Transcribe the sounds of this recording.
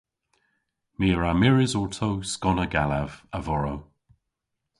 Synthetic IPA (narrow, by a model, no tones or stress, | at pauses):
miːəɹamɪɹɪzɔɹtʰowskɔnəɡalavəvɔɹow